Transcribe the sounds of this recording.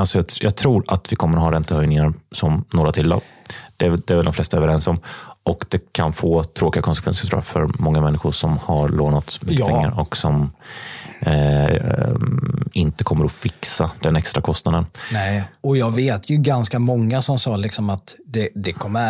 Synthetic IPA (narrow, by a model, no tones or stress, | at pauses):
alsɔjɑːjɑːɡt̪ʰɾuːɾat̪vɪkʰɔmːəɾɦɑːɾɛnt̪əhœjnɪŋaɾsɔmnoːɾat̪ʰɪlːɑ̰ːd̪̥ɛæd̪ɛæɾvɛld̪ɔmflɛst̪aøːvəɾɛnsɔmʔɔkd̪ɛkʰanfoːt̪ʰɾoːkɪɡakʰɔnsɛkʰvɛ̰nsət̪ɾṵːjafœɾmɔŋːamɛnːɪɧʊʂɔmhaɾɭoːnat̪smʏːpʰɛŋŋːa̰ɾɔksɔm | ɪnt̪əkʰɔmːəɾɔfɪksad̪̥ɛnɛkst̪ɾʔakʰɔst̪nad̪ənnɛɔjɑːɡveːt̪ʰjɵɡanskamɔŋːasɔmsɑːlɪksɔmat̪d̪ɛd̪ɛkʰɔmːə